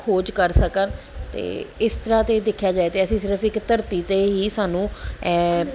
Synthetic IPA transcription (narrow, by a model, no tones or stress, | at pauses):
kʰoːd͡ʒkəɾsəkən | t̪ḛːɪst̪əɾãːt̪eːd̪ɪkʰjaːd͡ʒaːeːt̪eːəsĩːsɪɾəfʰɪkt̪əɾt̪iːt̪eːɦiːsaːnũː